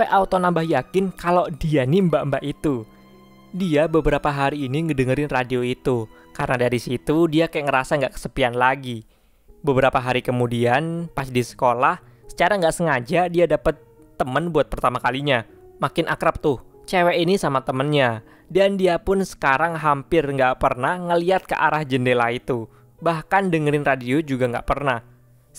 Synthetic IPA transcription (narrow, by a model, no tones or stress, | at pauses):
pɛʔaut̪onambahjakɪnkalodianimbaʔəmbaʔit̪u | diabəbəɾapaɦaɾiːniŋədəŋəɾɪnradioit̪u | karənadaɾisit̪udiakajaʔŋəɾasaŋɡaʔkə̥səpianlaɡi | bəbəɾapaɦaɾikəmudianpasidisə̥kolah | sə̥t͡ʃaɾaŋɡaʔsəŋad͡ʒadiadapət̪ː | əmənbuat̪̚pərt̪amakaliɲa | makɪnʔakɾap̚t̪ʊht͡ʃewɛinisamat̪əmənɲa | dandiapʊnsə̥kaɾaŋɦampɪrŋɡaʔpərnahŋəliat̪̚kəʔa̰ɾahd͡ʒəndelait̪u | bahkandəŋəɾɪnradiod͡ʒuɡaŋɡa̰ʔpərnah